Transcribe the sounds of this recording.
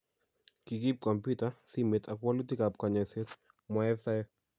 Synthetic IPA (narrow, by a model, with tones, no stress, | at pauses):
ki˨ki˦p̚kɔ˨mpitasimi˨tʰa˨kwɔ˦lu˦ti˦ka˨p̚ka˨ɲɔ˨se˦t | mɔɛ˦fsa˦ɛ